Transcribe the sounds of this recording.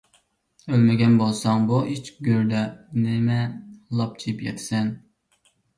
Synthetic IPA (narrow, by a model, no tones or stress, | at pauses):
ølmɪɡʲɛnbolˠsɑŋbuʔit͡ʃɡʲøɾd̪ɛnɪmɛlˠɑp̚t͡ʃʰipjɛ̰t̪ʰsɛn